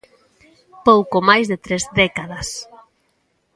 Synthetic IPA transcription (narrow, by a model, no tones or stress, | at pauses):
powkomajzðet̪ɾezd̪ɛkaðas